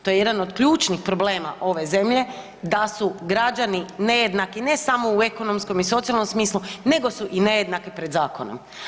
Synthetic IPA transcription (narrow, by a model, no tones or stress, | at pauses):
t̪ojeje̞d̪ano̞d̪kʎuːt͡ʃnixpɾo̞ble̞ːma̰ʔo̞ʋe̞ze̞mʎe̞ | d̪asuɡɾad͡ʒanine̞je̞d̪nakine̞samo̞ue̞ko̞no̞msko̞miso̞t̪ialˠnomsmiːslune̞ɡo̞suʔine̞je̞d̪nakipɾed̪zaːko̞̰no̰m